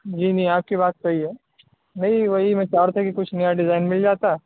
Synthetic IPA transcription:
d͡ʒiːnɐĩaːp̚kibaːt̪̚kaɦiɛː | nɐɦĩʋɐɦimɛ̃t͡ʃaːɾt̪ʰakikʊt͡ʃʰnijaɖɪzaːɪnmɪld͡ʒaːt̪a

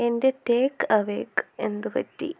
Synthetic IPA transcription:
endeteːkːɐʋḛːkend̪ɨpɐ̰tːi

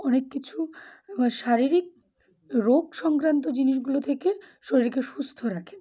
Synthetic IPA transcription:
ɔnekːit͡ɕʰu | ʃaɾiɾik̚ | ɾoɡʃɔŋkɾant̪od͡ʑiniʃɡulot̪ʰekeʃoɾiɾkeʃust̪ʰoɾakʰe̥

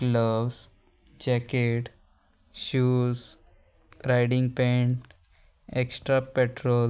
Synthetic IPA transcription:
kləʋs | d͡ʒɛkeʈ | ʃuːz | ɾaɪɖɪ̃ŋɡpẽɳ | eksʈɾapeʈɾoːl

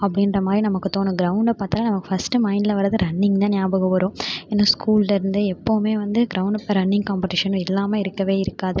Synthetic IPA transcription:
ɐpːɐɽɪnrɐmaːd̪ɾinɐmɐkːɯt̪oːnɯ̃ɡɪɾɐʊɳɖɐpaːɾt̪ɐlːaːnɐmɐkːɯ̥fɐsʈɯmɐɪnɖlɐʋɐɾɐðɯɾɐɳːɪŋɡt̪ãːnjaːbɐɣɐʋɐɾõːɛnːoːskʰuːllɐɪɾɯnd̪ɯɛpːoːmeːʋɐnd̪ɯɡɾɐʊɳɖɾɐnːɪŋɡkaːmpɛʈɪʂɐnʊ̃ɪlːaːmɐɪɾɯkːɐʋeːɪɾɯkːaːðɐ

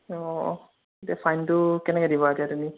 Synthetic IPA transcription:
ɔ | etiafʰajntʊkɛnɛkɛdibɔadiatumi

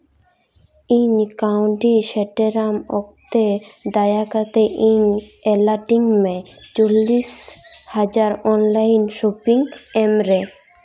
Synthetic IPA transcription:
inkauɳʈiʃeʈeɾamɔk̚t̪ed̪ajakat̪eʔiŋelaʈiŋmɛt͡ɕolːiʃhad͡ʑaɾɔnlajnʃopiŋemɾe

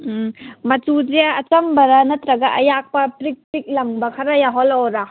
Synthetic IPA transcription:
mɐtuzeɐt͡ʃɐmbɐɾɐnɐt̪ɾɐɡaʔɐjak̚pɐpɾik̚pɾik̚lɐŋbɐkʰɐɾajaɦɔlɔɾa

